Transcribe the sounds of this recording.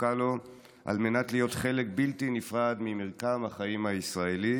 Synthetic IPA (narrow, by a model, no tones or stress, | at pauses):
kalo | ʔa̰lme̞natlijo̞tχe̞le̞k̚biltinifʁad̪mimeʁkamhaχaimhaisʁaeli